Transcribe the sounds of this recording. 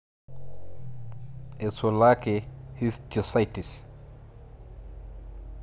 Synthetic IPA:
ɛsɔlakɛhisd͡ʒɔsajtis

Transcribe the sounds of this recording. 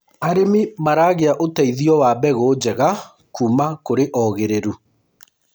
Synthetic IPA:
aɾemimaɾaɣeaʔotaiðiɔwaːbɛɣoːd͡ʑɛɣa | kʰuːmakoɾeʔɔɣeɾeɾu

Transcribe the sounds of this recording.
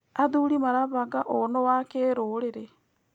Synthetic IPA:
aðuːɾimaɾaβaɡaʔonowakeɾoːɾeɾe

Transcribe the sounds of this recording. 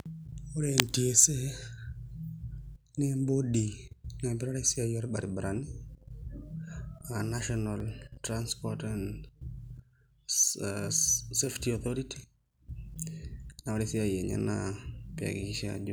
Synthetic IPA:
ɔɾentiese | nɛmbodinabiɾaɾɛsiajɔɾba̰ɾibɾani | anaʃɔnaltɾanspɔtan | seftiɔθɔɾiti | nawaɾɛsiajeɲa̰napja̰ɡiʃa̰d͡ʒ

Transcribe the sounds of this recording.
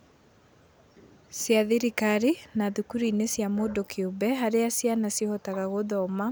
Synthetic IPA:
sjaðiɾikaɾinaðukuɾiːnesjamodɔkʰeobɛɦaɾeasjanasjihɔtaɣaɣoðɔma

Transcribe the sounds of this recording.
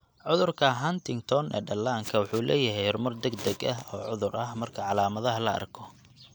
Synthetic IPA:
ʕʊðʊrkʰɐɦɐnt̪ʰɪŋt̪ʰɔnɛ̰ːɖɐlːaːŋkʰɐwʊħuːlɛːjɐɦɛjhɔrmɐrd̪ɛɡd̪ɐɡɐɦɔːʕʊðʊɾʔɐɦmɐrkʰɐʕɑlaːmɐðɐɦɐlɐɐ̰rkʰɔ

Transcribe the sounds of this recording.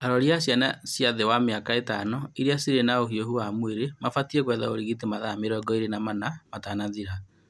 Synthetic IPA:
aɾɔɾjasjanasjaðewameakaetanɔiɾiasiɾenaohiohuamweɾemafatiɛkwɛðaoɾiɣit̬emaðameɾɔɡɔiɾenamanamatanaðiɾa

